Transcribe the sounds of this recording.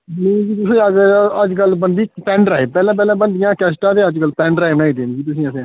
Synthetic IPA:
neːd͡ʒiːt̪ʊsẽəɡəəd͡ʒkəlbənd̪iːpɛ̃ːɳɖɾaːibpɛːlãːp̬ɛːlãːbənd̪ɪjãːkɛːsʈãːt̪eːəd͡ʒkəlpɛ̃ːɳɖɾaːɪbnaːiːd̪ẽnd͡ʒiːt̪̬ʊsĩːəsẽː

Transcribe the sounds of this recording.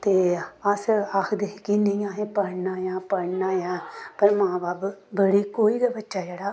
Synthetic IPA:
t̪eːəsaːkʰd̪ekinə̃ĩːãːɦẽːpəɽnaːjãːpəɽnaːjãːpəɾmãːbaːbbəɽiːkoːiːd̪abətːʃaːd͡ʒɛːɽaː

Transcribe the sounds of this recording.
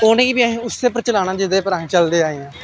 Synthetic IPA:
oːnẽːkiːbiːəɦĩːʊsːeːpəɾt͡ʃəlaːnaːd͡ʒɪd̪eːpəɾaːĩːt͡ʃəld̪eːaːeːãː

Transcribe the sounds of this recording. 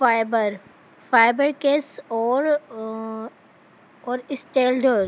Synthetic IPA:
faɪbəɾ | faːɪbəɾkeːsɔːɾ | ɔːɾɪsʈeːlɖoɾ

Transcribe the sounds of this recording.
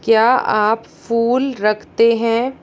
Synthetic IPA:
kjaːaːp | fuːlɾɐkʰt̪eɦɛ̃ː

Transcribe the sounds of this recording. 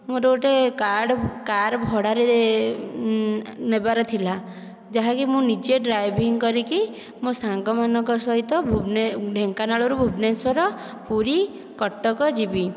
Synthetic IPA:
mũɾoʈekaɽkaɾbʱɔɽaɾe | nebaɾɔt̪ʰila | d͡ʒaɦakimũnid͡ʒeɖɾajbʱiŋkɔɾiki | mõsaŋkɔmanɔŋkɔsɔɦit̪ɔbʱubneɖʱeŋkanaɭɔɾubʱubneswɔɾɔ | puɾi | kɔʈːɔkɔd͡ʒibi

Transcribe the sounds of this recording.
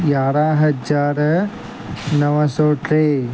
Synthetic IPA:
jaːɾaːɦɐd͡ʒaːɾɐ | nɐʋɐsoːʈɾeː

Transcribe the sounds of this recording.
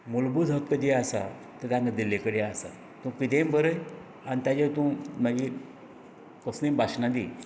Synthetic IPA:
mulbud̪ɦəkːəd͡ʑiasa̰ | t̪ət̪ãŋɡad̪ilːekəɽeasa̰ | t̪ũkit̪ẽmbəɾəj | anit̪ad͡ʑet̪ũmaɡi | kɔsnĩmbaɕnad̪i

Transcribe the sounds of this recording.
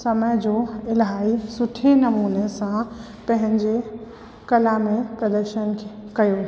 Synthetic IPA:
səməjd͡ʒoɪlɦaːisʊʈʰːenɐmuːnesã | pɐɦɪ̃ɲd͡ʑe | kɐlamepɾəd̪əɾʃənkʰekɐjo

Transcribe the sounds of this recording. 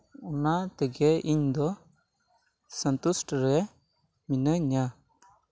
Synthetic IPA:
unat̪əɡɛʔiɲd̪ɔ | sənt̪usʈɾɛ | minəɲa

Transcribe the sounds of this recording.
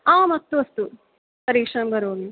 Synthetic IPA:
aːmɐt̪ːuɐst̪u | pɐɾiːkʂɐnɐmbɐɾɦoːɡi

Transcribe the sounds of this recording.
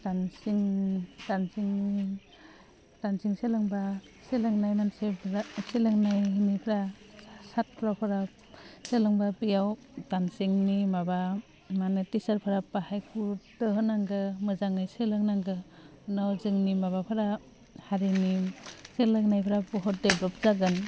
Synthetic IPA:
tansiŋtansiŋi | tansiŋselɯŋba | selaŋnajmansepʰɾaselaŋnajnipʰɾa | sat̚pʰɾawpʰaɾa | selɯŋbabijaw | tansiŋnimaba | manɯtisaɾpʰaɾapahajkʰuɾtɯɦɯnaŋɡɯmɯzaŋɯjselɯŋnaŋɡɯ | ɯnawzɯŋnimaβapʰaɾa | haɾiniselɯŋnajpʰɾabɔɦɔt̚dedɔp̚zaɡɯn

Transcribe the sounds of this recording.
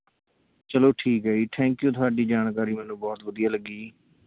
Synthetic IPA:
t͡ʃəloːʈʰiːkɦəiːʈʰɛ̃ːŋkjũːt̪ʰʊaːɖiːd͡ʒaːnkaːɾiːmɛːnũːbɔːt̪ʋəd̪ɪjaːləɡːiː

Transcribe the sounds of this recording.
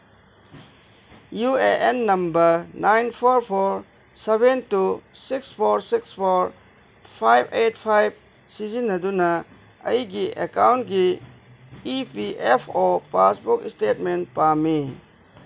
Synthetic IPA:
jueʔenːɐmbəɾnajnpʰɔɾpʰoɾ | sebentusikspʰoɾsikspʰoɾ | pʰajbet̚pʰajb̚ | sizinːɐdunɐ | ə̰jɡiʔekawnt̚ɡi | ipiʔepʰopasbukstet̚mentpami

